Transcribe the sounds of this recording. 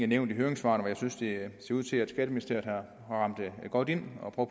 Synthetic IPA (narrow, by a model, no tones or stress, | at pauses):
æneʊ̰nd̥iɦøɐeŋsʋɑ̰̈ːnʋɒ̽jɑ̈ɪsynsd̥e̝se̝ɐuð̰ˠʰe̝æd̥sɡ̥ɛːdəminisd̥e̝ɐ̰̥hɑ | ʁɑ̈m̰d̥ɡ̥ɒ̽d̥e̝n̰ɒ̽pʰʁœʊ